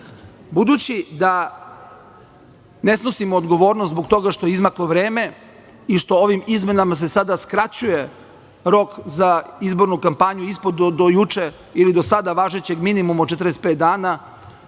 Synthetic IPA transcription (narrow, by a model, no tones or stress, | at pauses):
bud̪uːt͡ɕid̪a | ne̞snosimo̞ːd̪ɡo̞ʋo̞ːɾnost̪boɡt̪o̞ɡaʃt̪o̞jeizmaklo̞ʋɾeːme̞ | iʃt̪o̞oʋimizme̞namas̬e̞sad̪askɾat͡ɕuje̞ | ɾo̞kzaizbo̞ɾnukampaɲuispod̪od̪ojut͡ʂe | ilid̪o̞sad̪aʋaːʒet͡ɕe̞ɡminimumot͡ʃet̪ɾest̪pet̪̚d̪aːna